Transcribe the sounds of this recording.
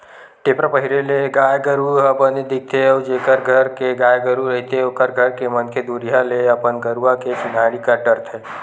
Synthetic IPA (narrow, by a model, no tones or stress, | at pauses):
ʈepɾəpəɦiɾeleɡajɡəɾuɦəpəned̪ik̚t̪ʰeəwd͡ʒekəɾɡʱəɾkeɡajɡəɾuɾəɦit̪eoːkəɾɡʱəɾkemənkʰed̪uɾijaleəpənɡəɾuaket͡ʃɪnaɾikəɾʈəɾt̪ʰe